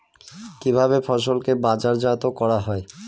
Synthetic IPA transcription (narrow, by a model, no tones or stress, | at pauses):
kibʱaβefʰɔʃ̬olkebad͡ʑaɾd͡ʑat̪okɔɾaɦɔe